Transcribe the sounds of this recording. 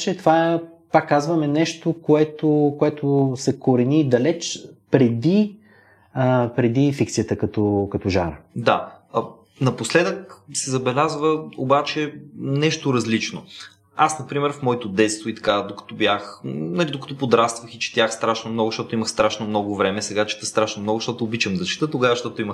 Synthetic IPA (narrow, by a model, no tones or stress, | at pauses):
t͡ʃɛt̪ovaɛ | pakːazvɐmɛnɛʃt̪okoɛt̪okoɛt̪ʊsɛkoɾɛnid̪ɐlɛt͡ʃpɾɛd̪i | əpɾɛd̪ifikt̪siət̪əkɐt̪ɔkɐt̪ɔʒaɾə̰d̪a | nɐposlɛd̪əksɛzɐbɛlʲazvəobat͡ʃɛnɛʃt̪oɾɐzlit͡ʃno | asnɐpɾimɛɾfmɔɛt̪ʊd̪ɛt̪st̪voit̪ɐ̥kad̪okɐ̥t̪ɔbjaxnɐlid̪okə̥t̪ɔpod̪ɾast̪vəxit͡ʃɛ̥t̪jaxst̪ɾaʃnomnɔɡʊʃt̪ɔt̪ʊiməxst̪ɾaʃnomnɔɡʊvɾɛmɛsɛɡat͡ʃi̥t̪əst̪ɾaʃnomnɔɡʊʃt̪ɔt̪ʊːbit͡ʃəmd̪ɐt͡ʃi̥t̪ət̪oɡavəʃt̪ɔt̪ʊiməx